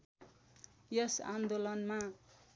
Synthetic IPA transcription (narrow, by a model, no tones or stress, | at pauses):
jʌsa̰nd̪olʌnma